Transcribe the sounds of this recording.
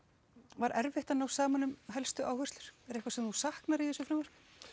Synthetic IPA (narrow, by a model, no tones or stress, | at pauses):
vaɾʔɛɾvɪht̪anawsaːmanːʏmɦɛlst̪ʏʔaːwhœst̪lʏɾ̥ɛɾɛhkvasɛmθusahknaɾiθɛsʏfɾɛmvaɾ̥